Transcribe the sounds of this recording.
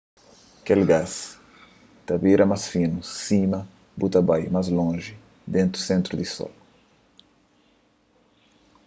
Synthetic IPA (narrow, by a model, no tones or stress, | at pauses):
kelɡas | t̪ɐbeɾɐmasfinusĩmɐ | but̪ɐbajmazlõʒi | d̪ẽnt̪ɾusẽnt̪ɾud̪isɔ̰l